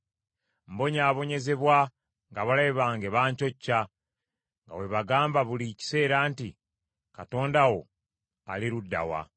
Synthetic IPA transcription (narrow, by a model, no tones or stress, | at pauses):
mbo̞ɲaːβo̞ɲe̞ze̞βwa | ŋɡaβalajβaːŋɡe̞βaːɲco̞cːa | ŋɡa̰we̞βaɡaːmbaβulici̥se̞ːɾaːnti | kato̞ːndawo̞ | aliɾudːa̰wa̰